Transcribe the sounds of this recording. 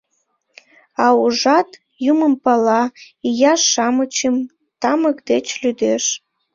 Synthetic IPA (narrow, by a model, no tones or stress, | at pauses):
ɑuʒɑt̪ | juməmpɑlɑ | ijɑʃːɑmət͡ɕəm | t̪ɑməkd̪et͡ɕlyd̪eʃ